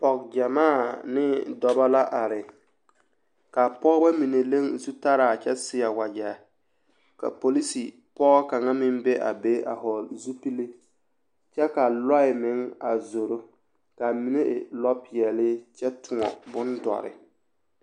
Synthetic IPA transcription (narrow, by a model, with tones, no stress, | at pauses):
pɔ˨k̚d͡ʒa˨maː˦˨nɪ˦dɔ˨ba˦la˦ʔa˨ɾɪ˨ | ka˨pɔ˦ɣba˦mi˨ne˨le˦ŋzu˦ta˦ɾaː˨t͡ʃɛ˦sɪ˦a˨wa˨d͡ʒa˨ | ka̰˨po˨li˦si˨ | pɔ˦ɣɔ˦ka˨ŋa˦mɪ˦mbɛ˦ʔa̰˨be˦a̰˨ɦɔ˨lzu˦pi˦le˦ | t͡ʃɛ˦ka˨lɔ˦ɪ˨mɪ˨˦ŋa˨zo˨ɾo˦ | ka˨mi˨ne˦ʔɪ̰˨lɔ˦pɪ˨ɛ˨lɪ˦t͡ʃɛ˦tʰʊ˨ŋɔ̰˨bʊ˦ndɔ̰˨ɾɪ̰˨